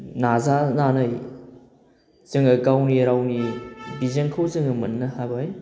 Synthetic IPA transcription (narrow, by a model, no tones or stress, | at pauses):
nazananɯj | zɯŋɐɡawniɾawnibizeŋkʰawzɯŋɐmɐnːɐhabaj